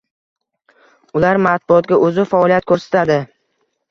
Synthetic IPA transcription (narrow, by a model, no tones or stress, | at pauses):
ʊlaɾmat̪̚bʊɒt̪̚ɡʲaʔɵzɪfaɒlijat̪̚kʰɵɾsḁt̪ʰad̪ɪ